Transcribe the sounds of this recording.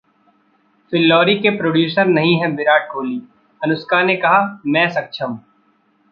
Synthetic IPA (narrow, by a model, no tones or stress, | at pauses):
fɪlːɔːɾikepɾoːɖjuːsəɾnɐɦĩɦɛ̃bɪɾaːʈ̚ɡʱoːliː | ɐnʊskaːnekɐɦamɛ̃ːsɐk̚ʃʰəm